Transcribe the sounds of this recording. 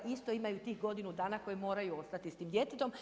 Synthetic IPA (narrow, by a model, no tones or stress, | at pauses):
ist̪o̞imajut̪iːxɡo̞d̪inud̪aːnako̞jemo̞ːɾajuo̞st̪at̪ist̪iːmd̪je̞t̪et̪o̞m